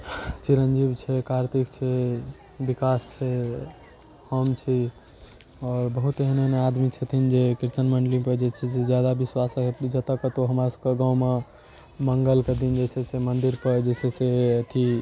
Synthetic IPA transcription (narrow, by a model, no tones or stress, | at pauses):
t͡ʃiɾənd͡ʒibt͡ʃʰɛkʰaɾt̪ikt͡ʃʰɛ | bikast͡ʃʰɛ | həmt͡ʃʰi | ɔːɾbəɦut̪eɦnenead̪mit͡ʃʰət̪ʰind͡ʒekiɾt̪ənməɳɖəlĩpəɾd͡ʒet͡ʃʰɛsed͡ʒjad̪abiswasɦet̪d͡ʒət̪əkət̪oɦəmɾasə̥bkeɡãwme | məŋɡəlked̪ind͡ʒesesemənd̪iɾpəɾd͡ʒeseseət̪ʰi